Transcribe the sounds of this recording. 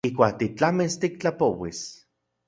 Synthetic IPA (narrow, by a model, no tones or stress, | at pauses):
ihkʷaːk̚t̪it͡ɬamist̪ikt͡ɬapowḭs